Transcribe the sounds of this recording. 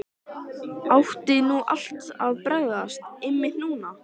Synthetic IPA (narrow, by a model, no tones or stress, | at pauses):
awht̪ɪnuːʔa̰l̥t̪aðpɾœɣðast̪ɪmːɪt̪nuːna